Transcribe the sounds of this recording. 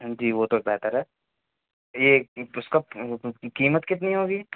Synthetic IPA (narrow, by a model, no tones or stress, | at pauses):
d͡ʒiːʋot̪obɛːt̪əɾɦɛː | jeʊskakiːmət̪kɪt̪niɦoːɡiː